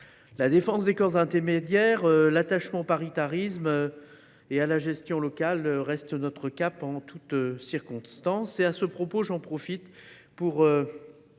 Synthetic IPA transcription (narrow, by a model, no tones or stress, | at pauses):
lad̪efɑ̃sd̪ekɔʁzɛ̃t̪ɛʁmed̪jɛʁølat̪aʃmɑ̃opaʁit̪aʁismø | ealaʒɛst̪jɔ̃lɔkaløʁɛst̪nɔt̪χəkapɑ̃t̪ut̪øsiʁkɔ̃st̪ɑ̃seasəpχɔpoʒɑ̃pχɔfit̪puʁø